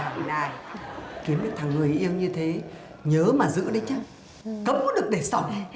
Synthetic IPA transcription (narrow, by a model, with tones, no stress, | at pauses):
naː˧˩jki˨˦əmɲɨ̰˧˥ŋt̪ʰaː˨˩ŋːɨ˨˩əjʔi˧əwɲɨ˧t̪ʰe˨˦ | ɲəː˨˦maː˨˩zɨ̰˧˥ɗə˨˦jt͡ɕaː˧˦ | kə˨˦˥p̚kɔ˨˦ɗɨ˨˩ək̚ɗe˧˩sɔ˧˩ŋ͡m